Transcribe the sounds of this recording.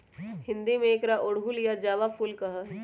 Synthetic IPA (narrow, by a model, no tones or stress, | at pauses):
hɪ̃nd̪imẽːkɾaʔʊɽɦulijad͡ʒaːʋafʰʊlkɐɦa